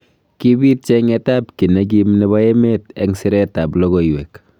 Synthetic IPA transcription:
ki˦bi˦t̚t͡ʃeŋeta˦pki˨ne˦ɡ̬i˦mnɛ˦βa˦e˦metḛŋsi˦ɾɛta˨plo˦ɣo˨iwe˨k

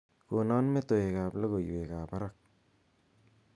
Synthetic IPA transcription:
ko˨na˦nme˦t̪o˨e˨ka˨plo˦ɡo˨ju˨e˨ka˨pa˦ɾa˦k̚

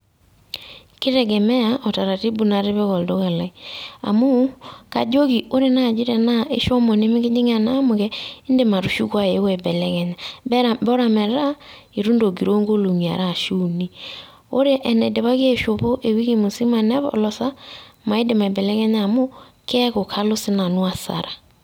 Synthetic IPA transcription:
kɪ˦ɾɛ˨ɡɛ˨mɛ˦ja˨ʔɔ˨ta˨ɾa˨ti˦bu˨na˨ɾe˦βɛ˦ɣɔ˨ldo˦ɣa˨la˨i˦a̰˨mu˦ka˨d͡ʒo˦ki˨o˦ɾe˦na˦˨d͡ʒi˦ɾɛ˨na˦ʔe˦ʃɔ˦mɔ˨nɪ˦mɪ˦kɪ˦d͡ʒɪ˦ŋ˦a˨na˦mʊ˨kɛ˦ɪ˦nde˨ma˨ɾu˨ʃu˦kwa˦e˨˦wɛ˨bɛ˨lɛ˦ɣɛ˨ɲa˨bɛ˦ɾa˨bɔ˦ɾa˨mɛ˨ɾa˦ | i˨ɾu˦ndo˨ɡi˨ɾo˦ŋɡo˦lo˨ŋi˨a̰˨ɾa˦˨ʃu˦˨ni˦ | o˦ɾe˦ʔɛ˨nɛ˨de˨βa˦kɛ˦˨ʃo˨po˦ʔe˨wi˦ke˦˨mʊ˨si˦ma˨nɛ˦βɔ̰˨lɔ˨sa˦ma˨ɪ˦nde˨ma˨bɛ˨lɛ˦kɛ˦ɲa˦˨mʊ˦ | kɛ˦ko˨kʰa˦lo˦sɪ˦na˨nu˦a˨sa̰˨ɾa˨

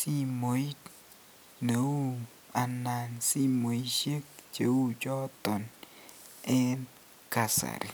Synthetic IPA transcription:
si˦mo˨˦i˦ | ne˨wu˦ | a˨na˨nsi˦mo˨i˦ʃe˦k̚t͡ʃe˨˦wu˦d͡ʒɔ˦t̪ɔ˨n | ɛ˦n | ka˨sa̰˨ɾḭ˨

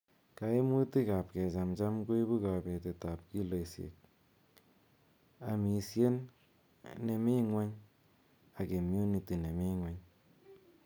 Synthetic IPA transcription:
ka˨e˦mu˦ti˦ka˨p̚kɛ˨t͡ʃa˨mt͡ʃa˦mko˦i˦bu˦ka˨bɛ˨te˨ta˨p̚ki˦lo˨sjḛ˨k̚ | a˨mi˨sje˦n | ne˨mi˦ŋwe˦ɲ | a˨ke˨mju˦ni˨ti˨ne˨mi˦ŋwe˦ɲ

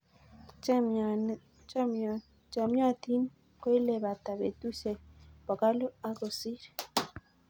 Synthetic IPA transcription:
t͡ʃa˨mja˦t̪i˦n | kwe˦le˨βa˨t̪a˨βḛ˨t̪u˦se˨ba˨ka˦lo˦a˦ɡo˨si˦ɾe̥˨

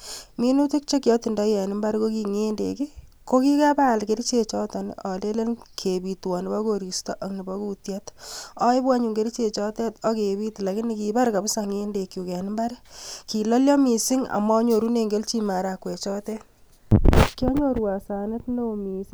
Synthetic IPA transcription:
mi˦nu˦ti˦k̚t͡ʃe˦kjɔ˦ti˨ndɔ˦jɛ˨nɪ˦mba˦ɾko˦ki˨ŋe˦ndḛ˨ki˦ | ko˦ki˦ka˦pa˦˨lke˨ɾi˦t͡ʃe˨t͡ʃɔtɔ˨n̰ʔɔ˨le˦le˦nkʰe˨bi˨twɔ˨nɪ˨ba˦ko˨ɾi˨sto˦ʔa˨kni˨ba˦ku˦tjat̪ɔ˦jbwa˦ɲu˨ŋɡe˦ɾi˦t͡ʃe˨t͡ʃɔ˦tɛ˦tɔ˦ke˨bi˦tla˨kɪ˦niki˨ba˦ɾka˨bsaŋe˦nde˨kːju˨kɛ˨nɪ˦mba˦ɾki˨lɔ˦ljɔ˦mi˨si˦ŋa̰˨mɔ˦ɲo˨ɾu˦ne˨ŋɡe˦lt͡ʃi˦ma˨ɾa˨kwe˨t͡ʃɔ˦tɛ˦ | kjɔ˦ɲo˦ɾwa˨sa˨ne˦tnomi˨s

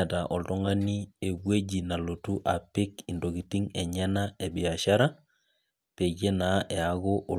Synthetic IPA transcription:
ta˨ʔɔ˨lto˦ŋa˦ni˦e˨bwe˦d͡ʒi˨na˨lo˨tu˦ʔa˨pɪ˦ki˨ndo˨ɡi˨ti˦ŋɛ˨ɲɛ˦na˦e˨bi˨a˨ʃa˦ɾa˦ | pe˨ɡe˦na˨˦ʔɛ˨a˨ɡo˦ʔo˨

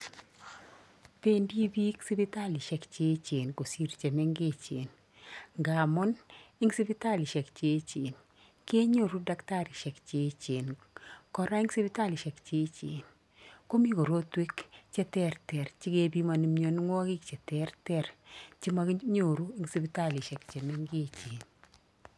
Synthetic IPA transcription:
pe˦ndi˦bi˦ksi˦bi˦ta˦lɪ˨ʃɛ˨kt͡ʃe˦t͡ʃe˨nko˨si˦ɾt͡ʃɛ˨mɛ˦ŋɡe˦t͡ʃḛ˨n | ŋɡa˨mɔ˦ni˦ŋsi˦pi˦ta˦lɪ˨ʃɛ˨kt͡ʃe˦t͡ʃe˨n | ke˦ɲo˦˨ɾu˦da˦kta˦ɾi˨ʃɛ˨kt͡ʃe˦t͡ʃe˨n | kɔ˦ɾa˦i˦ŋsi˦pi˦ta˦lɪ˨ʃɛ˨kt͡ʃe˦t͡ʃḛ˨n | ko˦mi˦ko˨ɾo˦twi˦kt͡ʃɛ˦tɛ˦ɾtɛ˨ɾt͡ʃɪ˦ke˦bi˦ma˨ni˦mɲo˨n˦ŋwɔ˦kɪ˦k̚t͡ʃɛ˨tɛ˦ɾtɛ˦ɾt͡ʃi˦ma˦kɲo˨ɾu˦i˦ŋsi˦pi˦ta˦li˨ʃɛ˨kt͡ʃɛ˨mɛ˦ŋɡe˦t͡ʃe˨n

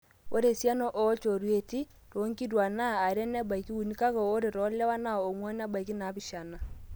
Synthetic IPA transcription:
o˦ɾe˨sja˦nɔ˦ʔɔ˨˦t͡ʃo˨ɾwe˨ti˦ | ɾo˨˦ŋki˦ɾwa˨na˦˨a˨ɾɛ˦nɛ˦ba˨i˨ki˦wu˨ni˦ka˦ɣɔ˨o˦ɾe˨ɾɔ˨˦lɛ˦wa˦na˦ɔ˨o˨mwɔ˦n˦a˦ba˨i˨ki˦na˨˦bi˨ʃa˨na˨

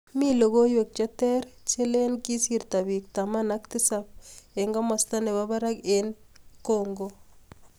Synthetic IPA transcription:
mi˦lo˨ɡo˦jwe˨k̚t͡ʃa˦tɛ˦ɾt͡ʃe˦le˦nki˦si˦ɾt̪a˨bi˨k̚t̪a˨ma˦na˦ktɪ˦sap̚e˨ŋɡɔ˦mɔ˨sta˦ne˨βa˦ba˦ɾa˦ken | ko˦ŋɡo

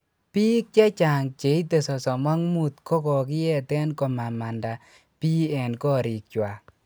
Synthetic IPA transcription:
pi˦k̚t͡ʃɛ˦t͡ʃa˨ŋt͡ʃe˨i˦te˨sɔ˨sɔ˨mɔ˦ŋmu˦˨t̪kɔ˦kɔ˨kɪ˦jɛ˦tɛ˦nkɔ˨ma˨ma˨nda˨ | pi˦ɛ˨nkɔ˦ɾɪ˨k̚t͡ʃwa˨

